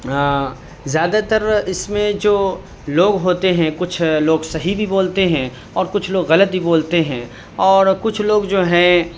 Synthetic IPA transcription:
zjaːd̪at̪əɾɪsmẽd͡ʒoː | loːɡɦoːt̪eɦɛ̃kʊt͡ʃʰloːɡsɐɦibʱiboːlt̪eɦɛ̃ | ɔːɾkʊt͡ʃʰloːɡɣɐlət̪̚bʱiboːlt̪eɦɛ̃ː | ɔːɾkʊt͡ʃʰloːɡd͡ʒoːɦɛ̃

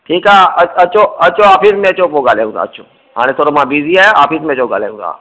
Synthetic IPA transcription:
ʈʰiːkaːəət͡ʃoət͡ʃoaːpismẽət͡ʃoːp̬oɡaːljaũt̪a̰ːət͡ʃʰo | ɦa̰ːɽ̃et̪ʰoːɾomãbiːziaːjeaːpʰiːsmẽət͡ʃoɡa̰ːla̰ũza̰ː

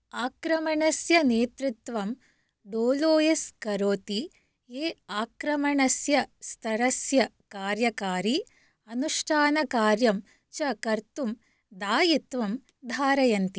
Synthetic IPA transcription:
aːkɾɐmɐɳɐsjɐneːt̪ɾit̪ʋɐm | ɖoːloːjeskɐɾoːt̪i | eːaːkɾɐmɐɳɐsjɐst̪ʰɐɾɐsjɐ | kaːɾjɐkaːɾi | ɐnuʂʈʰaːnɐkaːɾjɐm | t͡ʃɐkɐɾt̪um | d̪aːjit̪ʋɐm | d̪ʱaːɾɐjɐnt̪i

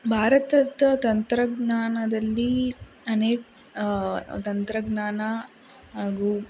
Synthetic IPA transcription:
bʱaːɾɐt̪ɐd̪ɐt̪ɐnt̪ɾɐɡnaːnɐd̪ɐlːi | ɐneːk̚ | t̪ɐnt̪ɾɐɡnaːnɐ | ɦaːɡuː

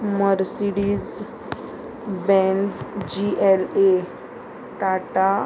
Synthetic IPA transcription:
məɾsiɽiz | bɛ̃nd͡zd͡ʑiʔele | ʈaʈa

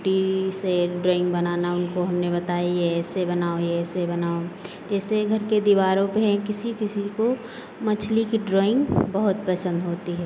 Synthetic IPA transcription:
ʈiseɖɾoːɪ̃ŋɡbɐnaːnaʊnkoɦɐmnebɐt̪aːijɛːsebɐnaːojɛːsebɐnaːo | d͡ʒɛːseɡʱɐɾked̪iʋaːɾõpeɦɛ̃kɪsikɪsiko | mɐt͡ʃʰlikiɖɾoːɪ̃ŋɡbəɦʊt̪̚pəsə̃nd̪ɦoːt̪iɦɛː

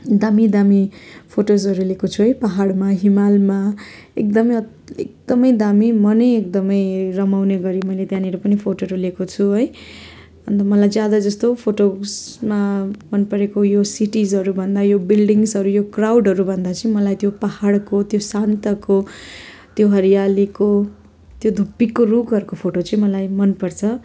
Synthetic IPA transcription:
d̪amid̪amipʰoʈosʌɾulekot͡sʰuɦʌjpaɦaɽmaɦimalmaek̚d̪ʌmʌj | ek̚d̪ʌmʌjd̪amimʌnʌjek̚d̪ʌmʌjrʌmawneɡʌɾimʌjlet̪jãniɾʌpʌnipʰoʈoɾulekot͡sʰuɦʌj | ʌnt̪ʌmʌlajd͡zjad̪ad͡zʌst̪opʰoʈosmamʌnpʌɾekojosiʈizɦʌɾubʱʌnd̪ajobilɖiŋsʌɾujokrawɖɦʌɾubʱʌnd̪at͡sʌĩmʌlajt̪jopahaɽkot̪josant̪ʌko | t̪joɦʌɾijaliko | t̪jod̪ʱupːikːorukʌɾkopʰoʈot͡sʌĩmʌlajmʌnpʌrt͡sʰʌ

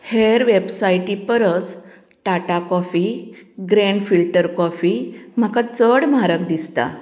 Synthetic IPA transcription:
heɾʋebsajʈipəɾət͡s | ʈaʈakɔfiɡɾeɳɖfilʈəɾkɔfim̤akat͡səɽm̤aɾəkd̪ist̪a̰

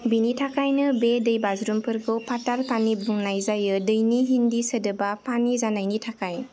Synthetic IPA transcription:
binitʰakʰajnɯbedɯjbazɾumpʰɯɾɡɯpʰatalpʰanibuŋnajzajɯdɯjniɦindisədɯbapʰanizanajnitʰakaj

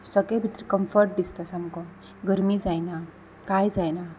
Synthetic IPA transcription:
səɡebʱit̪ɾikəmfəɾʈ̚d̪ist̪asamkɔ̃ | ɡəɾmid͡zajna | kajd͡zajna

